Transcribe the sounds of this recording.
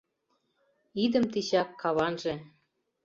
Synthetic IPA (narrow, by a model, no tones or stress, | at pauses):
id̪ə̆mt̪iɕɑkːɑβɑnʒĕ